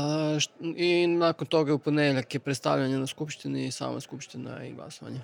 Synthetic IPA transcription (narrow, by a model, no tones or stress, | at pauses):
inaːkont̪o̞ɡauponed̪eʎakepɾet̪st̪a̰ʋʎaɲanaskupʃt̪inisa̰ːma̰skupʃt̪ina̰ḭɡlˠa̰soʋa̰ɲa